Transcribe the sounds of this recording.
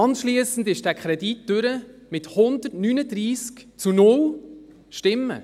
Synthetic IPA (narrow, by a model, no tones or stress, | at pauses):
ɑnʃliəsn̩dɪʃd̥æːkχɾɛdit̚ːd̥ʏɾə | mɪthʊnd̪ətnynədɾiːskt͡sunʊl | ʃtɪmːə̰